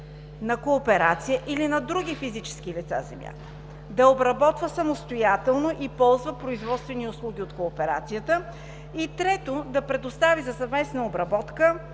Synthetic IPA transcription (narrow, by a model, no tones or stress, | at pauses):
nɐkoːpɛɾat̪sijəʔilinɐd̪ɾuɡ̟ifizit͡ʃɛ̥skilit̪sa̰zɛ̰mja̰t̪ | d̪ɐobɾɐbɔt̪vəsɐmost̪ojat̪ɛlˠnoʔipɔlˠzvəpɾoizvɔt̪st̪vɛniʊslˠuɡ̟ʲiot̪koːpɛɾa̰t̪sijət̪ə | it̪ɾɛt̪od̪ɐpɾɛd̪ost̪avizɐsɐvmɛsnɐobɾɐbɔt̪kə